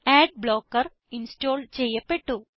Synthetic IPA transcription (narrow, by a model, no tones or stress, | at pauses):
ɛːɖ̚bloːkɐɾ | insʈoːlt͡ʃejɐpeʈːu